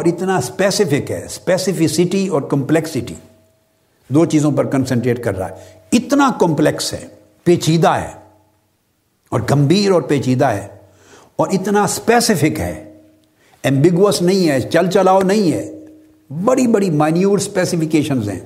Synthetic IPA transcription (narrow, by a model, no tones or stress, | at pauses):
ɔːɾɪt̪naspɛːsɪfɪkɦɛ̰ːspeːsɪfɪsɪʈiɔːɾkɐ̃mplɛksɪʈḭː | d̪oːt͡ʃiːzõpɐɾkɐ̃nsɛ̃ɳʈɾeːʈkɐɾːa̰ːɦɛ | ɪt̪nakɔ̃mplɛksɦɛ̰ː | peːt͡ʃiːd̪aɦɛ̰ː | ɔːɾɡɐ̃mbʱiːɾɔːɾpeːt͡ʃiːd̪aɦɛ̰ː | ɔːɾɪt̪naspɛːsɪfɪkɦɛ̰ː | ɛ̃mbɪɡuəsnɐɦĩɦɛːt͡ʃɐlt͡ʃɐlaːonɐɦĩɦɛː | bɐɽibɐɽimaːɪnijuːɾspɛːsɪfɪkeːʃənzɦɛ̰̃ː